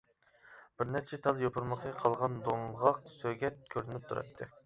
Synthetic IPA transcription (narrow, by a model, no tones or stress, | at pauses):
b̥ɪɾnæɾt͡ʃʰɛt̪ʰɑlˠjopʰuɾməqʰəqʰɑlˠʁɑnd̪oŋʁɑq̚søɡʲɛt̪̚kʲʰøɾynɪp̚t̪ʰuɾɑ̰t̪ʰːɨ